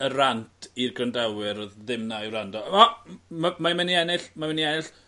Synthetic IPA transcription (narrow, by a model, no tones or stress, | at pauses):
ərantʰirɡrəndawɨɾɔððɪmnaiwrandɔamamamɛniɛnɪɬmamɛniɛnɪɬ